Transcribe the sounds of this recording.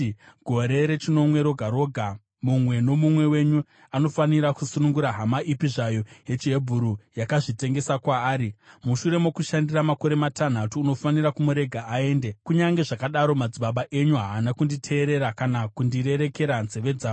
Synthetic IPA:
ɡʱo̞ɾe̞ɾe̞t͡ʃino̞mwe̞ɾo̞ɡʱaɾo̞ːɡʱa | mumwe̞no̞mumwe̞we̞ɲu | ano̞faniɾakusunuŋɡuɾaɦamaʔipiʐajo̞ɦe̞t͡ʃiɦe̞bʱuɾujakaʐite̞ŋɡe̞sakwaːɾimuʃuɾe̞mokuʃandiramako̞ɾe̞matan̤atuːno̞faniɾakumuɾe̞ɡʱaae̞ːnde̞kuɲaŋɡe̞ʐakaɗaɾo̞mad͡ziɓaɓaʔe̞ɲuɦaːnakunditʰe̞ːɾe̞ɾakanakundiɾe̞ɾe̞ke̞ɾanze̞ʋe̞d͡zaː

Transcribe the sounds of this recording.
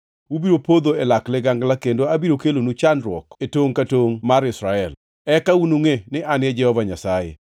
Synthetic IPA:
wubiɾopod̪oelaklɪɡaŋɡlakendoabiɾokelonut͡ʃanɾwɔketoŋkatoŋmaɾɪsɾaɛl | ɛkaunuŋenɪʔanɛd͡ʒɛhɔvaɲasajḛ

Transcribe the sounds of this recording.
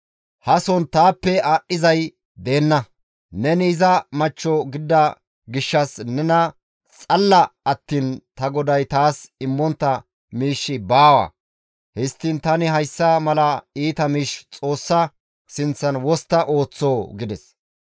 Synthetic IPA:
hɐsɔnt̪aːpːɛaːʔɪzɐj | d̪e̞ːnːɐ | nɛniːzɐmɐt͡ʃːɔɡɪd̪ːɐ | ɡɪʃːɐsnɛnɐ | t͡sʼɐlːɐɐt̪ːiːnt̪ɐɡɔd̪ɐjt̪aːsɪmːɔnt̪ːɐ | miːʃːɪbaːwɐ̰ː | hɪst̪ːɪnt̪ɐnɪɦɐjsːɐmɐlɐiːt̪ɐmiːʃt͡sʼo̞ːsːɐ | sɪnt͡sːɐnwɔst̪ːɐʔo̞ːt͡sːoːɡɪd̪ɛs

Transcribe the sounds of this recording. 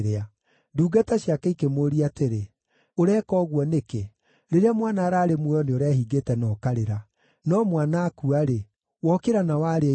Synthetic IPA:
ɾea | duːɡataɕjakaikemoɾiateɾe | oɾɛːkɔɣwɔneke | ɾeɾeamwanaɾaːɾemweɔneoɾaɦiɡetɛnɔːkaɾeɾa | nɔmwanakuaɾe | wɔkeɾanawaɾe

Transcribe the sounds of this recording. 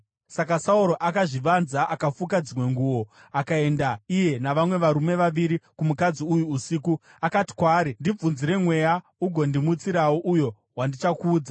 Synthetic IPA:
sakasauɾo̞ʔakaʐiʋanzaʔakafukad͡zirwe̞ŋɡuːwo̞ | akae̞ndaije̞naʋamwe̞ʋaɾume̞ʋaʋiɾikumukad͡ziujuːsiːku | akati̥kwaːɾindib͡vunziɾe̞mwe̞ja | uɡʱo̞ndimut͡siɾawoʔujo̞ | ɦwandit͡ʃakuːd͡za

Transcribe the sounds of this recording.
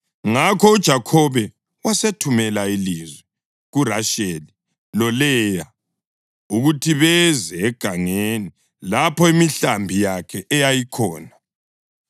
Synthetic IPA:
ŋakʰɔud̥ʒ̥ʱakʰɔβɛ | wasetʰumɛlailizwɛ | ɣuraʃeli | lɔlɛːja | uɣutʰiβɛzɛːɡ̥ʱaŋeni | lapɔimiɬambʱijakʰɛʔɛjajikʰɔːna

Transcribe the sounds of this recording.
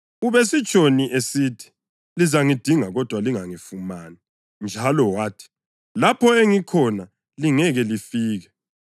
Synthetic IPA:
uβes̬it͡ʃʼoniʔesitʰi̥ | lizaŋid̥ʱiŋaɣɔd̥ʱwaliŋaŋifumaːni | nd͡ʒʱalɔwaːtʰi̥ | lapʰɔeŋikʰɔna | liŋɛɣɛlifiːɣɛ

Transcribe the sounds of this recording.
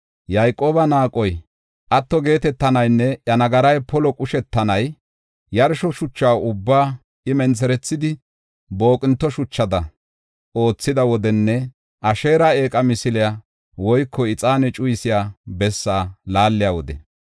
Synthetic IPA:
jajkʼo̞ːbɐnaːkʼɔj | ʔɐt̪ːɔɡe̞ːt̪ɛt̪ːɐnɐjnːɛʔɐnɐɡɐɾɐjpɔlɔkʼʊʃɛt̪ːɐnɐj | jɐɾʃɔʃʊt͡ʃːaːʊbːaː | ɪmɛnt͡sɛɾɛt͡sːɪd̪ɪ | bo̞ːkʼɪnt̪ːɔʃʊt͡ʃːɐd̪ɐ | o̞ːt͡sːɪd̪ɐwɔd̪ɛnːɛ | ʔɐʃe̞ːɾae̞ːkʼɐmɪsɪlɪja | wɔjkːɔɪt͡sʼaːnɛt͡ʃʼʊjɪsɪjaːbɛsːaːlaːlːɪjawɔd̪ɛ̰

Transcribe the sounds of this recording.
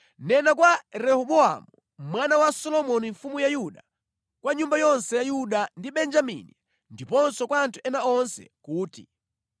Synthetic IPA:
nɛnakwaɾɛhɔɓɔa̰mu | mwanawasɔlɔmɔniɱfumujajuɗa | kwaɲumbajɔnsɛjajuɗandiɓɛnd͡ʒamḭni | ndipɔnsɔkwantʰuɛnaɔnsɛ̰kuːtḭ

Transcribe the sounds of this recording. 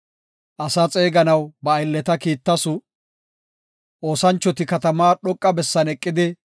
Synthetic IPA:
ʔɐsɐt͡sʼeːɡɐnɐwbɐːjlːɛt̪ɐkiːt̪ːɐsʊ | ʔo̞ːsɐnt͡ʃːɔt̪ɪkɐt̪ɐmaːɗɔkʼːɐbɛsːɐnɛkʼːɪd̪ɪ

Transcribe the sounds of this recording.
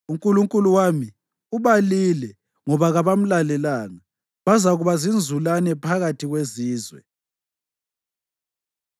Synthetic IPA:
uŋkʼuluŋkʼuluwami | uβalilɛ | ŋɔβaɣaβam̩lalɛlaːŋa | βazaɣuβazind͡zʱulanɛpʰaɣatʰiɣweziːzwɛ̰

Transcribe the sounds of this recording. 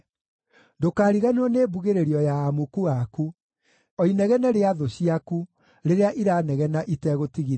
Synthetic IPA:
dokaːɾiɣanoɔneːbuɣeɾeɾiɔjaːmukuaku | ɔinɛɣɛnɛɾeaðoɕiaku | ɾeɾeaʔiɾaːnɛɣɛnaʔitɛɣotiɣi

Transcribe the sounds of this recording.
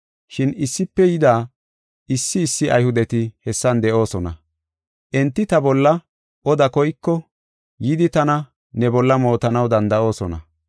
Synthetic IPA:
ʃɪnɪsːɪpːɛjɪd̪aː | ɪsːɪːsːɪʔɐ̰jhʊd̪ɛt̪ɪhɛsːɐnd̪ɛʔo̞ːsɔnɐ̰ | ʔɛnt̪ːɪt̪ɐbɔlːɐ | ʔɔd̪ɐkɔjkːɔ | jɪd̪ɪt̪ɐnɐ | nɛbɔlːɐmo̞ːt̪ɐnɐwd̪ɐnd̪ɐʔo̞ːsɔnɐ̰

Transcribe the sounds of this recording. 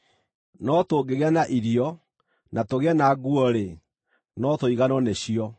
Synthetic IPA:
nɔtoːɡeɣeanaʔiɾiɔ | natoɣeanaɡuɔɾe | nɔtoiɣanɔneɕiɔ

